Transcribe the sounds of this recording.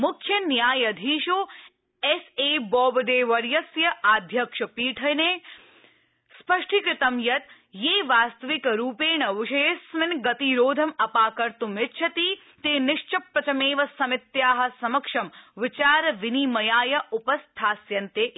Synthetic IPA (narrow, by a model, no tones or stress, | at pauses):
mʊkʰjɐnjaːjɐd̪ʱiːʃoː | eseːbɔːbɐd̪eːʋɐɾjɐsjɐʔaːd̪ʱjɐkʂɐpiːʈʰɐjneː | spɐʂʈʰikɾɪt̪ɐmjɐt̪ | jeːʋaːst̪ɐʋɪkɾuːpeːɳɐʋɪʃɐjesʋɪnɡɐt̪iɾoːd̪ʱɐmɐpaːkɐɾt̪umɪtt͡ʃʰɐt̪iː | t̪eːnɪʃt͡ʃɐpɾɐt͡ʃɐmeːʋɐsɐmɪt̪jaːɦɐ̆sɐmɐkʂɐmʋɪt͡ʃaːɾʋɪniːmɐjaːjɐʔʊpɐst̪ʰaːsjɐnt̪eː